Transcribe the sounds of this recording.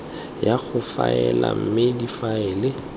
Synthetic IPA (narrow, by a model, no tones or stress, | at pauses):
jaɣʊfaɛlam̩mɪdifaɛːlɪ